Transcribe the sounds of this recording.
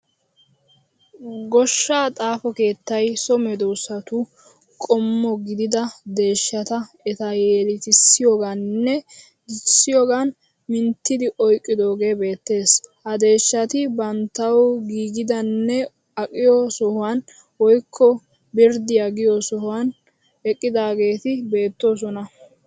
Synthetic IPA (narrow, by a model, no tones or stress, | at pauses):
ɡɔʃːaːt̪ʼaːfɔke̞ːt̪ːɐjsɔmɛd̪ɔwsɐt̪ʊ | kʼɔmːɔɡɪd̪ɪd̪ɐd̪e̞ːʃːɐt̪ɐ | ɛt̪ɐjeːlɪt̪ɪsːɪjoːɡanːɛ | ɪsːɪjoːɡan | mɪnt̪ːɪd̪ɪʔɔjkʼːɪd̪o̞ːɡe̞ːbe̞ːt̪ːe̞ːshɐd̪e̞ːʃːɐt̪ɪbɐnt̪ːɐwɡiːɡɪd̪ɐnːɛ | ɐkʼːɪjɔsɔhʊwan | wɔjkʰːɔ | bɪɾd̪ɪjaɡɪjɔsɔhʊwan | ɛkʼːɪd̪aːɡe̞ːt̪ɪbe̞ːt̪ːoːs̬ɔnɐ